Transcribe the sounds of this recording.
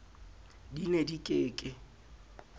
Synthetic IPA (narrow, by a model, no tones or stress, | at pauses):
dinedikʼɪːkʼɪ